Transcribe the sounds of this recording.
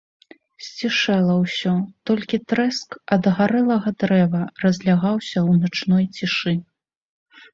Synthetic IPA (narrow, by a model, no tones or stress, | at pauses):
sʲt͡sʲiʂɛlˠɐwsʲɔt̪ɔlʲkʲit̪ɾɛskɐd̪ɣaɾɛlˠɐɣɐd̪ɾɛvɐrɐzʲlʲaɣawsʲɐwnat͡ʂnɔjt͡sʲiʂɨ